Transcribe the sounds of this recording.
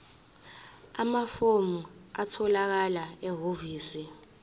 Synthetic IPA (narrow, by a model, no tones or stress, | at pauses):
amafomuatʰɔlak̬alaɛɦoviːsi